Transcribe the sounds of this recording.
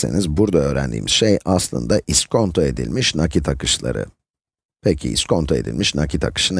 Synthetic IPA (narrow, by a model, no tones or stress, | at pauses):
e̞̰nizbuɾd̪aø̞ːɾæ̰nd̪ḭːmiz̥ʃejaslˠɯ̰nd̪aʔiskʰo̞nt̪ʰoe̞d̪ḭlʲmiʃnacʰit̪ʰakʰɯʃlˠa̰ɾɯ̰ | pʰecʰḭiskʰo̞nt̪ʰoe̞d̪ḭlʲmiʃnacit̪ʰakɯ̥ʃɯn